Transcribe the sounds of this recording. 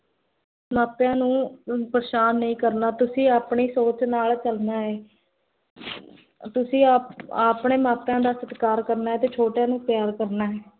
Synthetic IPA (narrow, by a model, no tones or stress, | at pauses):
maːt̪jãːnũːpəɾʃaːnːəĩːkəɾnaːt̪ʊsĩːaːpɳiːsoːt͡ʃnaːlt͡ʃəlnaːɦɛː | t̪ʊsĩːaaːpɳeːmaːt̪jãːd̪aːsət̪kaːɾkəɾnaːɛːt̪eːt͡ʃʰoːʈjãːnũːpjaːɾkəɾnaːɦɛː